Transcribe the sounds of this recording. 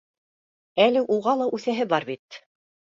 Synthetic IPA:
ælɘʔuʁɑlˠɑʔʉθæɦɘbɑɾβit̪̚

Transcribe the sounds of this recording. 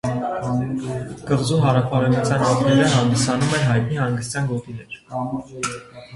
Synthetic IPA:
kəʁzuɦɑɾɑfʰɑɾɛvut͡sʰjɑnɑt̪nɛɾəɦɑnd̪isɑnumɛnɦɑjt̪nihɑŋɡəst̪jɑnɡɔt̪inɛɾ

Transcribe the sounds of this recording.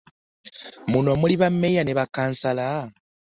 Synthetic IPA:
munomuliβamːejaneβakaːnsala

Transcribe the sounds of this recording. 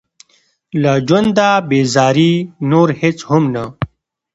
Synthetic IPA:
lad͡ʒwɐnd̪aːbeːzaːɾinoɾhet͡shʊmna

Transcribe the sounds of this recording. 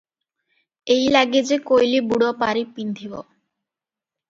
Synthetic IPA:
ejlaɡed͡ʑekojlibuɽopaɾipind̪ʱibo̰

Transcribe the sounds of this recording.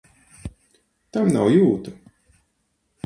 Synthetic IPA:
t̪amnawjuːt̪u

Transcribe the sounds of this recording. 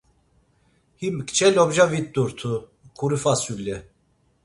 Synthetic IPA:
himkʼt͡ʃʰɛlɔbʒavit̪̚d̪uɾt̪ʰu | kʰuɾifasuljɛ

